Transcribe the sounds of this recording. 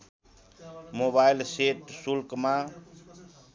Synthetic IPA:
mobailseʈsulkmã

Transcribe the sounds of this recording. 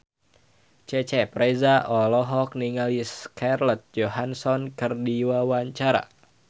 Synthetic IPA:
t͡ʃɛt͡ʃɛpɾɛzaʔɔlɔɦɔk̚niŋaliskʰarlɔt̪̚d͡ʒoɦansɔnkɨrdiwawaɲt͡ʃaɾa̰

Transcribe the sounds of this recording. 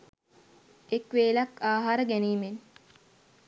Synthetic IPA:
ekʋeːlɐkaːɦaːɾəɡæniːmen

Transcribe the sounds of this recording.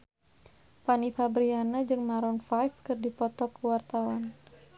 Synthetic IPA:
panifabɾianad͡ʒɨŋmaɾɔnfajfkɨrdipɔt̪ɔkəwart̪awan

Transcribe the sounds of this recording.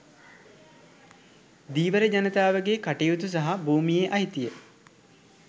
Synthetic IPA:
d̪iːʋəɾəd͡ʒanət̪aːʋəɡekaʈejut̪us̬aɦabuːmijeʔɐɦit̪ijə

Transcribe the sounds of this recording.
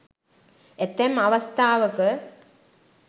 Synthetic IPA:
et̪ːemɐʋɐst̪aːʋəkə

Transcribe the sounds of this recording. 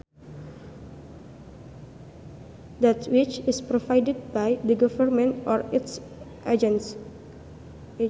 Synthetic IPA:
datwit͡ʃɪspɾovajdɛd̚bajdəɡɔvərmɛ̃ntɔɾits | ʔad͡ʒɛ̃ns

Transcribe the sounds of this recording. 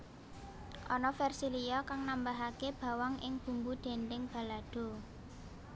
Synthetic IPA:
ʔɔnɔfɛrsilijɔkaŋnambaɦakeb̥a̤waŋʔɪŋb̥ṳmbud̪̥e̤nd̪ɪŋb̥a̤lad̪̥o̤

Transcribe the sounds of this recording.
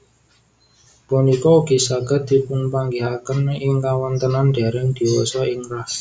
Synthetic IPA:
bɔnikɔuɡ̥i̤saɡ̥a̤t̪̚d̪̥i̤pʊnpaŋɡeɦakənɪŋkawɔnt̪ənanɖ̥a̤ɾɛŋd̪̥i̤wɔsɔɪŋrah

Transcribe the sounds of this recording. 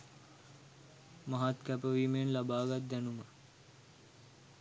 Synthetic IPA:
maɦat̪kæpəʋiːmenlabaːɡat̪̚d̪ænumə

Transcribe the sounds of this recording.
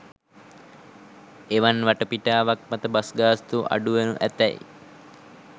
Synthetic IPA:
eʋanʋaʈəpiʈaːʋak̚mat̪əbasɡaːst̪uʔa̰ɖuʋenuʔæt̪ɛ̰j

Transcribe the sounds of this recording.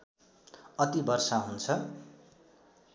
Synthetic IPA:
ʌt̪ibʌrsaɦunt͡sʰʌ

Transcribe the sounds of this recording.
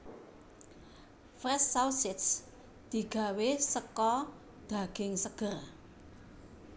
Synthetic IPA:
fɾɛsːawsɪt̪s | d̪̥i̤ɡ̥a̤wesəkɔ | d̪̥a̤ɡ̥ɪŋsəɡ̥ər

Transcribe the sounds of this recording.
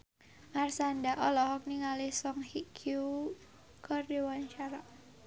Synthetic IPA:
marsandaʔɔlɔɦɔk̚niŋalɪhsɔŋhikʰu | kɔrdiwant͡ʃaɾaʔ

